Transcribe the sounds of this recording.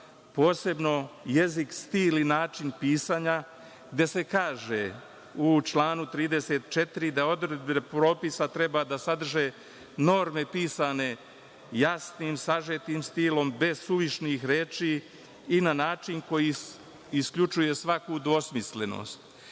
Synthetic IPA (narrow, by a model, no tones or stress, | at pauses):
po̞ːse̞bno̞je̞zikst̪iːlinaːt͡ʃinpiːsaːɲa | ɡd̪e̞se̞kaːʒe | ut͡ʃlˠaːnut̪ɾiːd̪e̞se̞t̪t͡ʃe̞t̪iɾid̪ao̞d̪ɾed̪̚benepɾo̞ːpisat̪ɾe̞bad̪asad̪r̩ʒe̞ː | no̞ɾme̞piːsane̞ | jasniːmsaʒet̪iːmst̪ilo̞mbe̞zsuʋiʃnixɾeːt͡ʃiː | nanaːt͡ʃiŋko̞ji | iskʎut͡ʃuje̞sʋakud̪ʋo̞smisle̞no̞̰st̪